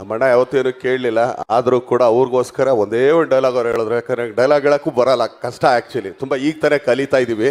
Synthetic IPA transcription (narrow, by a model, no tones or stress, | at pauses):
mɐɳeaːʋɐt̪ːueːnuːke̞ːɽlilːɐa̰ːd̪ɐɾuːkuːɽaːʋɾɡo̞ːskɐɾɐond̪eːonɖɖɐjlaːɡɐɾɦeːɭod̪ɾakaeɖɐjlaːɡɛɭɐkːuːbɐɾalːɐkɐʂʈɐæːk̚t͡ʃuɐlit̪umbaiːɡ̚t̪aːnekɐlit̪aːjid̪iːʋi